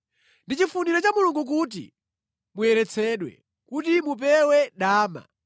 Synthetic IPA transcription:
ndit͡ʃifuniɾɔt͡ʃamuluŋɡuk̬ut̬ḭ | mujɛɾɛt͡sʰɛɗwɛ̰ | kutimup̬ɛwɛɗaːma̰

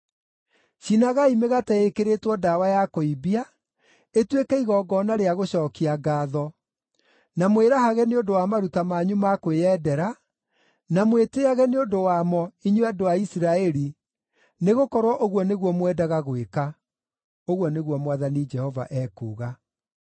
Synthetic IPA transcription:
ɕinaɣaimeɣatɛekeɾetwɔdawajakoibia | etwekɛiɣɔːɡɔnaɾeaɣoɕɔːkiaɡaːðɔ | namweɾaɦaɣɛneondowamaɾutamaɲumakweɛːdɛɾa | namweteaɣɛneondowamɔiɲuadoaisiɾaɛɾi | neɣokɔɾwɔʔoɣwɔneɣwɔmwɛdaɣaɣweka | oɣwɔneɣwɔmwaðanid͡ʒɛhɔva̰ʔɛːkuːɣa

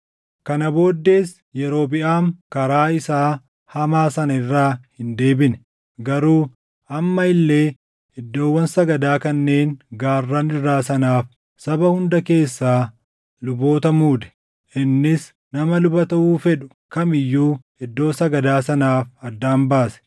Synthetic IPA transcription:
kɐnɐbo̞ːd̪ːe̞ːs | jɛɾo̞ːbɪʔaːŋkɐɾaːɪsaː | hɐmaːsɐnɐɪrːaːhɪnd̪e̞ːbɪnɛ | ɡɐɾuː | ɐmːɐɪlːe̞ː | ɪd̪ːo̞ːwːɐnsɐɡɐd̪aːkɐnːe̞ːŋɡaːrːɐnɪrːaːsɐnaːf | sɐbɐhʊnd̪ɐke̞ːsːaː | lʊbo̞ːt̪ɐmuːd̪ɛ̥ | ʔɪnːɪs | nɐmɐlʊbɐt̪ɐʔuːfɛᶑʊ̥ | kɐmɪjːuː | ɪd̪ːo̞ːsɐɡɐd̪aːsɐnaːfɐd̪ːaːmbaːsɛ̥

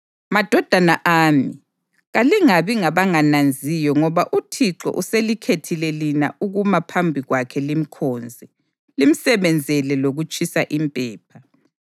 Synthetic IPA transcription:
mad̥ʱɔd̥ʱanaʔaːmi | ɣaliŋaβiŋaβaŋanand͡zʱijɔŋɔβaʔutʰiǁɔ̰ʔuselikʰetʰilɛlina̰ʔuɣumapʰambʱiɣwakʰɛlim̩kʰɔːnd͡zʱɛ | lim̩sɛβɛnd͡zʱɛlɛloɣut͡ʃʼisaʔimpʼɛːp̚ʰa

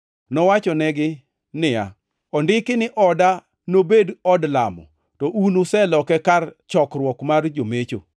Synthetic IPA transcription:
nɔwat͡ʃɔnɛɡɪ | nɪja̰ | ɔndɪkɪnɪʔɔda | nobedɔdla̰mɔ̰ | tɔʔunosɛlɔkɛkart͡ʃɔkrwɔkmard͡ʒomet͡ʃo̰

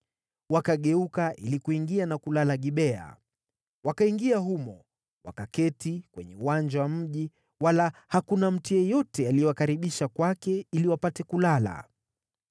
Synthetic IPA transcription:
wakaɠɛukaʔilikuiŋɡianakulalaɠiɓɛa̰ | wakaiŋɡiaɦumɔ̰ | wa̰kakɛtikwɛ̰ɲɛuwand͡ʒawam̩ʄi | walahakunam̩tijɛjɔtɛaliɔwakaɾiɓiʃakwakɛiliwapatɛkulala̰

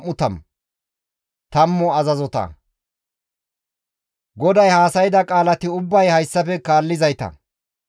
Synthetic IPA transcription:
mːʊt̪ɐm | t̪ɐmːɔɐzɐzɔt̪ɐ̰ | ɡɔd̪ɐjhaːsɐjɪd̪ɐkʼaːlɐt̪ɪʊbːɐjhɐjsːɐfɛkaːlːɪzɐjt̪ɐ̰

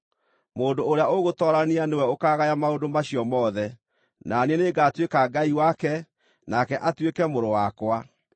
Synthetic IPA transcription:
moːndoːɾeaoɣotɔɾanianewɛokaːɣajamaodomaɕiɔmɔːðɛ | naneneɡatwekaɡaiwakɛ | nakɛʔatwekɛmoɾowakwa

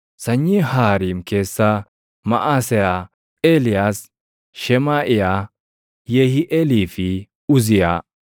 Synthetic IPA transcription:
sɐɲːɪhaːɾiːmke̞ːsːɐ | mɐ̰ʔaːsɛja | eːlɪjaːs | ʃɛmaːʔɪja | jeːhɪʔɛliːfɪ | ʊzɪja

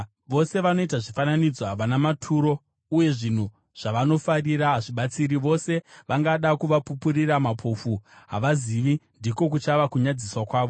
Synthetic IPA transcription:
ʋo̞se̞ʋano̞itaʐifananid͡zoɦaʋanamatʰuːɾo̞ | uje̞ʐin̤u | ʐ̥aʋano̞fariɾaɦaʐiɓat͡siɾiʋo̞se̞ʋaŋɡaɗakuʋapupuriramapʰofuɦa̰ʋaziʋindiko̞k̬ut͡ʃaʋakuɲad͡ziswakwaːʋo̞

